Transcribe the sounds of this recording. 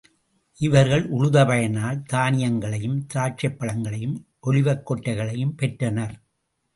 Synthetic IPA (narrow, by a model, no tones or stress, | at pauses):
ʔɪʋɐɾɣɐɭʔʊɻʊðɐpɐjɐnaːlt̪aːnɪjɐŋɡɐɭɐjɯmt̪aːʈ̚t͡ʃɐpːɐɭɐŋɡɐɭɐjɯmʔɔlɪʋɐkːɔʈːɐɪɣɐɭɐjɯmpɛʈrɐnɐɾ